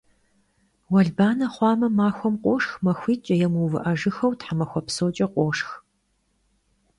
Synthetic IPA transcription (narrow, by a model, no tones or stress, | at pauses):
wɐɮbaːnɐχʷɑːmɐmaːxʷɔmqʷʼoːʂxmɐxʷiːt͡ʃʼɐjɛmuvɨ̰ʔɐʒɨxɐwtħamɐxʷɔpsoːt͡ʃʼɐqʷʼoːʂx